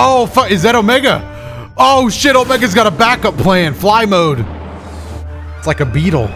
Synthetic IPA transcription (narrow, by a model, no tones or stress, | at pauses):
oʊfʌɨzðɨɾoʊmɛɡə̰ | oʊʃɪɾoʊmɛɡɨzɡɑɾəbækʌpʰl̥eæ̃ɪɨ̃nflaɪmoʊd̥ | ɪtslaɪkɨbiɾl̩ˠ